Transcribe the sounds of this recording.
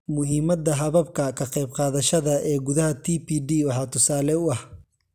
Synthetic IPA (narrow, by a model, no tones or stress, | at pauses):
mʊɦiːmɐd̪ɐɦɐβɐb̚kʰɐkʰɐqɛjbqɑːðɐʃɐðɐɛːɡʊðɐhɐt̪ʰiːpiːɖiːwɑħɑːt̪ʰʊsaːlɛʊɐh